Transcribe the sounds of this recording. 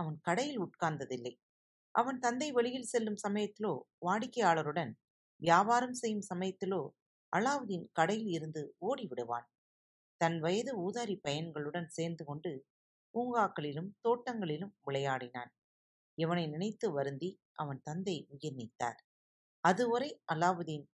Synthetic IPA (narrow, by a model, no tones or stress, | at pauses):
ɐʋɐnkɐɽɐjɪlʊʈ̚kaːnd̪ɐðɪlːɐɪ | ʔɐʋɐnt̪ɐnd̪ɐɪʋɛɭɪjɪlsɛlːɯmsɐmɐjɐt̪ːɪloːʋaːɽɪkːɐjaːɭɐɾɯɽɐn | ʋjaːbaːɾɐmsɛjːɯmsɐmɐjɐt̪ːɪloː | ʔɐɭaːʋɯðɪnkɐɽɐjɪlɪɾɯnd̪ɯoːɽiʋɪɽɯʋa̰ːn | t̪ɐnʋɐjɐðɯuːðaːɾipɐjɐnɡɐɭɯɽɐnseːɾnd̪ɯkɔɳɖɯ | uːŋɡaːkːɐɭɪlɯmt̪oːʈːɐŋɡɐɭɪlɯmʋɪɭɐjaːɽɪna̰ːn | ɛʋɐnɐɪnɪnɐɪt̪ːɯʋɐɾɯnd̪i | ʔɐʋɐnt̪ɐnd̪ɐɪʊjɪɾnɪt̪ːa̰ːɾ | ɐðɯʋɐɾɐɪʔɐlːaːʋɯðɪn